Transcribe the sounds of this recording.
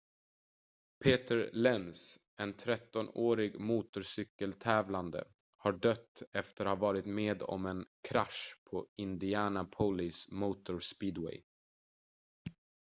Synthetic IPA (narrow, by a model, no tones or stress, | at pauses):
pʰeːt̪əɾlɛnsʔɛnt̪ʰɾɛt̪ːɔnoːɾɪɡmuːt̪ʊʂʏkːəlt̪ʰɛːvland̪ə̰ | haɖœt̪ːɛft̪əɾhavɑːɾɪt̪meːd̪ɔ̰mɛnkʰɾaʂpʰɔɪnd̪ɪæːnapʰɔlɪsmuːt̪ʊɾspiːd̪wɛ̰j